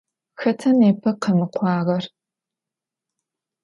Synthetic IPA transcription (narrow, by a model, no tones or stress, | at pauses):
xɐtʰɐneːpʰɐqɐmɨqʷɑːʁɐr